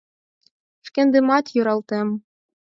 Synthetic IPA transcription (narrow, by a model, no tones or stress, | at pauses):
ʂkʲĕnd̪ɘ̆mɑt̪juɾɑlˠt̪em